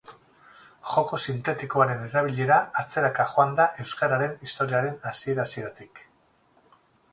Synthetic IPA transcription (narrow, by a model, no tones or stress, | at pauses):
ʝo̞ko̞sint̪e̞t̪ikoaɾe̞ne̞ɾaβ̞iʎe̞ɾaːt͡se̞ɾakaxoand̪aʔe̞wskaɾaɾe̞nist̪o̞ɾiaɾe̞nasie̞ɾasie̞ɾat̪ik